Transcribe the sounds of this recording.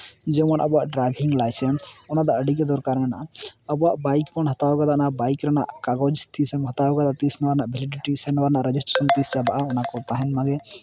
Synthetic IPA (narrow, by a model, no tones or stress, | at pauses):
d͡ʒɛmanʔəbɔwaʔɖɾajbʱiŋɡlajsɛnsɔnad̪aʔəɖik̬ɛd̪ɔɾkaɾmɛnaʔaəbɔwaʔbajkmɔnɦɔt̪aɔɡad̪anabajkɾana̰ʔkaɡɔd͡ʒst̪ʰisɛmɦət̪aɔɡad̪at̪isnɔwaɾnaʔbʱɛliɖiʈisɛnɔwaɾnaʔɾɛd͡ʒisʈɾesənt̪isd͡ʒabaʔaɔnakɔɾt̪aɦɛnmaɡɛ